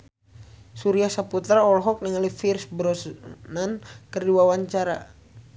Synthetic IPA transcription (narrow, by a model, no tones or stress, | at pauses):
suɾiahsaput̪ɾaɔlɦɔk̚niŋalifirsbɾɔsnankərduawaɲt͡ʃaɾa̰